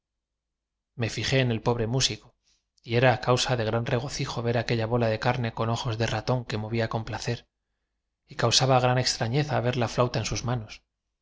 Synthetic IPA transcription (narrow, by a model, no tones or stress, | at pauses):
me̞fiχe̞ːne̞lpo̞β̞ɾe̞musiko | ie̞ɾaːkawsaðe̞ɣɾanre̞ɣ̞o̞θixo̞βe̞ɾake̞ʎaβo̞lað̞e̞kaɾne̞ko̞no̞xo̞zðe̞rat̪o̞ŋke̞mo̞βiako̞mplaθe̞ɾ | ikawsaβaɣ̞ɾane̞kst̪ɾaɲe̞θaβ̞e̞ɾlaflawt̪aensuzmano̞s